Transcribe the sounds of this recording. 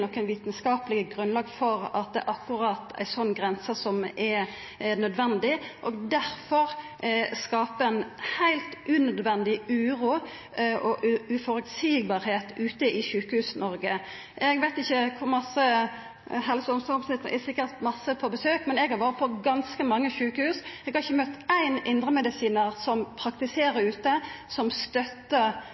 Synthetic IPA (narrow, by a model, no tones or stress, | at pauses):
nɔkːənʋiːt̪nskɑːplɪɡəɡɾʉnlɑːɡfɔɾɑt̪̚d̪ɛ̰ʔɑkːʉʁɑt̪æ̰ɪsɔnːɡʁɛnsəsɔmɛɾ | nœd̪ʋɛnd̪ɪʔɔɡd̪æɾfɔʁ | skɑːpəɛnhæɪlt̪ʔʉːnœd̪ʋɛnd̪ɪʉːʁuː | ɔʔʉʉfɔɾʉt̪siːbɑːɾheːt̪ʉːt̪əɪʃʉːkəhʉːsnɔɾɡə | ʔɛɡʋæɪt̪ɪçːəkʰʊɾmɑsə | hɛlsəɔmsɔɔmsnɪt̪ːəʔɛsɪkːəɾt̪mɑsːəpʰɔbəsøːkmɛnɛɡhɑɾʋøːɾət̪pʰɔɡɑnskəmɑŋːəçʉːkəhʉːsɛɡhɑɾɪçːəmœt̪ːæɪnʔɪnd̪ɾəmɛd̪ɪsiːnəʁsɔmpʰʁɑkt̪ɪseːɾəɾʉːt̪əsɔmst̪œt̪ːə